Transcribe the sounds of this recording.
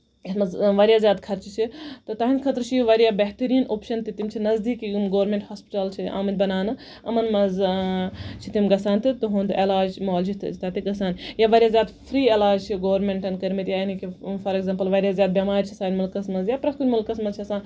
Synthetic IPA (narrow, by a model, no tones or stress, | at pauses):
it̪mɐzʋɐɾʲjaːzʲjaːd̪kʰɐɾt͡ʃit͡ʃʰit̪ɨt̪ɐɦind̪kʰɐt̪ɾt͡ʃʰijʋɐɾijaːbɐɦt̪ɐɾiːnoːpʃɐnt̪ɨt̪imt͡ʃʰinɐzd̪iːkijumɡoːɾmẽɳʈhaːspi̥ʈɐlt͡ʃʰiʔa̰ːmɐnbɐnaːnɨ | ɐmɐnmɐz | t͡ʃʰit̪imɡɐsaːnt̪ɨt̪uɦũːnt̪elaːd͡ʒmoːlt͡ʃʰit̪t̪ɐt̪iɡɐsaːnjaʋɐɾʲijaːzjaːd̪fʰɾiːelaːd͡ʒt͡ʃʰiɡoːʋɾmeɳʈɐnkɐɾmit̪jainikifɐɾeɡzaːmpɐlʋɐɾjaːzʲjaːd̪̚bʲemaːɾʲt͡ʃʰisaːnmɐlkɐsmɐzjapɾɐkunmulkɐsmɐzt͡ʃʰiɐsãːn